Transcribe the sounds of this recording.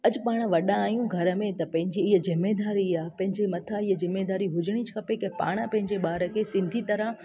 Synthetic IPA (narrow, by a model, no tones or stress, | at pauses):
ɐd͡ʑpaːɽ̃ʋɐɗãaːjũɡʱɐɾə̆mẽt̪ɐpɐ̃ɦɪ̃ɲd͡ʑiːɦəzɪmed̪aːɾiapɐ̃ɦɪ̃ɲd͡ʑemɐt̪ʰaiɦəzɪmːed̪aːɾiɦʊd͡ʑɪɽ̃it͡ɕʰkʰɐpekɐ̃pa̰ːɽ̃əpɐ̃ɦɪ̃ɲd͡ʑeɓaːɾə̆kʰeːsɪ̃nd̪ʱit̪ɐɾə